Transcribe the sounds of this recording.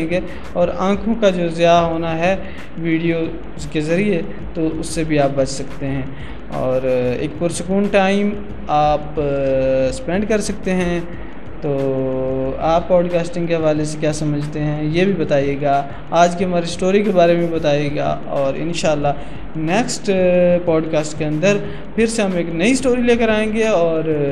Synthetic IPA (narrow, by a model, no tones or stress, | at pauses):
ɡeː | ɔːɾãːkʰõkad͡ʒoːzjaɦoːnaɦɛ | ʋiːɖijo | skezɐɾie | t̪oʔʊsːebʱiaːp̚bɐt͡ʃʰsɐkt̪eɦɛ̃ː | ɔ̰ːɾḛːk̚pʊɾsɐkuːnʈaːɪm | aːp | spɛ̃ːɳɖkɐɾsɐk̚t̪eɦɛ̃ | t̪oː | aːpːɔːɖkaːsʈɪ̃ŋɡkeɦɐʋaːlesekjaːsɐməd͡ʒʱt̪eɦɛ̃jebʱibɐt̪aːijeːɡaː | aːd͡ʒkiɦɐmaːɾisʈoːɾikebaːɾemẽbʱibɐt̪aːjeːɡa̰ː | ɔːɾɪ̰̃nʃaːlːa | neːksʈpɔːɖkaːsʈkeɐ̃nd̪əɾ | pʰɪɾseɦɐmeːknɐisʈoːɾileːkəɾaːẽːŋɡeɔːɾ